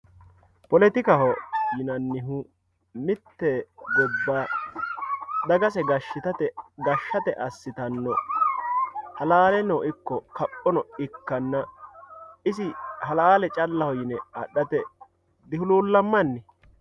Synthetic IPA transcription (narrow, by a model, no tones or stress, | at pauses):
pɔlɛt̪ɪkɐhɔjɪnɐnːɪɦʊ | mɪt̪ːɛɡɔbːaː | d̪ɐɡɐsɛɡɐʃːɪt̪ɐt̪ɛɡɐʃːɐt̪ɛʔɐsːɪt̪ɐnːɔ | hɐlaːlɛnɔʔɪkːɔkɐpʼːɔnɔɪkːɐnːɐ | ɪsɪhɐlaːlɛt͡ʃʼɐlːɐhɔjɪnɛɐ̰ɗːɐt̪ɛ | d̪ɪhʊluːlːɐmːɐnːɪ